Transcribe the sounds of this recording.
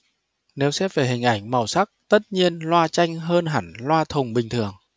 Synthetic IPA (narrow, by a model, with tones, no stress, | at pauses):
ne˨˦wsɛ˦˥p̚ve˨˩ɦï˨˩ŋ̟ʔa˧˩jŋ̟ma˨˩wsa˦˥k̚t̪ə˦˥t̚ɲi˧ənlwaː˧t͡ɕa˧jŋ̟ɦəː˧nɦa̰˧˩nlwaː˧t̪ʰʊ˨˩ŋ͡mɓï˨˩ŋ̟t̪ʰɨ˨˩əŋ